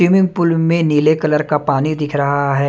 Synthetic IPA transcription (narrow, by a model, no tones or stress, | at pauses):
ɾiːmɪ̃ŋɡ̚pʊlmẽniːlekɐləɾkapaːnid̪ɪkʰɾɐɦaɦɛː